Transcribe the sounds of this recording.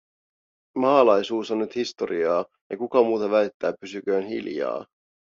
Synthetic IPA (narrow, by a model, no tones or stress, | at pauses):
mɑːlɑjsuːsonːyt̪hist̪oɾiɑː | jɑkukɑmuːt̪ɑʋæljt̪ːæːpysyk̟øːnɦḭljɑ̰ː